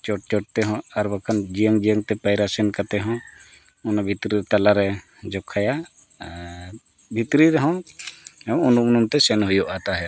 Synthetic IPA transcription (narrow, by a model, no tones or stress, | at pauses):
t͡ʃɔʈ̚t͡ʃɔʈ̚t̪ɛɦɔ̃aɾbakʰand͡ʒijaŋd͡ʒijaŋt̪ɛpajɾasɛnkat̪ɛɦɔ̃ | ɔnabʱit̪ɾiɾɛt̪alaɾɛ | d͡ʒɔkʰːaja | bʱit̪ɾiɾɛɦɔ̃ | unumunumt̪ɛsɛnɦujɔʔat̪aɦɛ